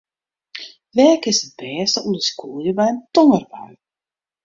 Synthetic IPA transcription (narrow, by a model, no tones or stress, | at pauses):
ʋɛːkɪsət̚bɛːstəundəskuəjəbɛjəntɔŋərbœɥ